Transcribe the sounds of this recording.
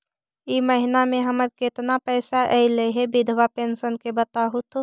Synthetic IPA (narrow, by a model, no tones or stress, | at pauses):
iməɦɪnamẽɦəməɾkɪt̪napɛːsaʔɛileɦebɪd̪ʱʋapeːnsənkebət̪aːɦʊt̪ʰ